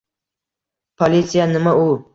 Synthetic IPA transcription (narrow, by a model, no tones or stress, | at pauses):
pʰolʲit̪sijanɨmau